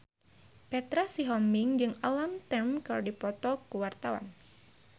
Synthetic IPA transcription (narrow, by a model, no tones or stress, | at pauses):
pɛt̪ɾasiɦɔmiŋd͡ʒɨŋəlamt̪ɛmkalodipɔt̪ɔkuwart̪awa̰n